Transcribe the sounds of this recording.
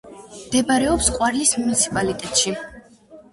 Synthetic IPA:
md̪̥ɛbaɾɛɔpsqʼwaɾlismunit̪sʰi̥pʼalit̪ʼɛt̪ʼʃi

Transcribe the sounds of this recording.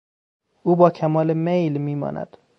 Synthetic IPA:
ʔuːbɒːcʰæmɒːlemejlmiːmɒ̰ːnʔæ̰d̪̥

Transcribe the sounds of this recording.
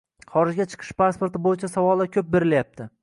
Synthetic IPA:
χɒɾɪʒɡʲat͡ʃʰɨ̥qʰɨ̥ʃpaspo̞ɾt̪ʰɪbojɪt͡ʃʰasavɒlˠakʲʰɵp̚beɾɪljap̚t̪ʰɪ

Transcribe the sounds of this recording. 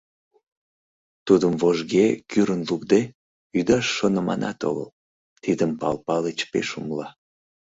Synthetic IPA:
t̪ud̪əmvoʒɣekyɾənlukd̪e | yd̪ɑʃːonəmɑ̰nɑt̪o̰ɣə̰l | t̪id̪əmpɑ̰lpɑlet͡ɕpeʃumlɑ

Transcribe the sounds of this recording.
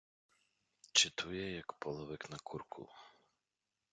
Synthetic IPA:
t͡ʃɪt̪ujɛjɐkpɔlˠɔʋɪknɐkʰurkʰʊ̰

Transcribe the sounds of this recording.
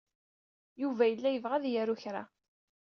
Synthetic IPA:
juvæjəlːæjəvʁæðjæɾuçɾa̰

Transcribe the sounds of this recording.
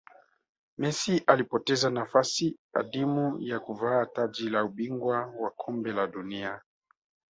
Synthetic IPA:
mɛsiʔalipɔtɛzanafasia̰ɗimujakuvaːtad͡ʒilauɓiŋɡwawakʰɔmbɛlaɗunia

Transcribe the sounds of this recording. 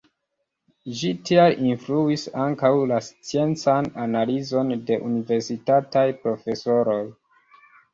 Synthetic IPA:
ʒitialinfluisaŋkawlast͡sie̞nt͡sananalizo̞nde̞ʔunive̞ɾsitatajpɾo̞fe̞so̞ɾoj

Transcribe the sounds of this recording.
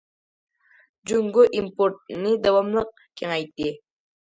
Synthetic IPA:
d͡ʒuŋɡoʔimpoɾt̪̚nid̪awɑmlˠəq̚ | kʲʰeŋɑjt̪ːi

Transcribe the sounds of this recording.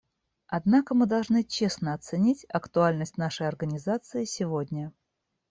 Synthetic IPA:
ɐd̪nakəmɨd̪ɐlˠʐnɨt͡ɕe̞snəɐt̪sɨnʲitʲɐkt̪ʊalʲnəsʲtʲnaʂəjɐrɡənʲɪzat̪sɨɪsʲɪvodʲnʲə

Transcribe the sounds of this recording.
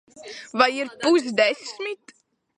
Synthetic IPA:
vaiɾpuzd̪ɛssmit̪

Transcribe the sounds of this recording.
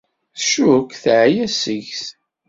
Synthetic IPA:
θʃʊkθʕjæsəʝθ

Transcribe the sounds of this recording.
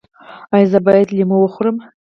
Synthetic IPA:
ajzabajetlʲimɨwaχʷrɨm

